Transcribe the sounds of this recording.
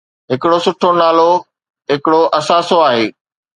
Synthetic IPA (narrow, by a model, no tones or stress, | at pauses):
ɦɪkɪɽosʊʈʰonaːlo | ɦɪkɪɽoʔɐsaːsoaːɦeː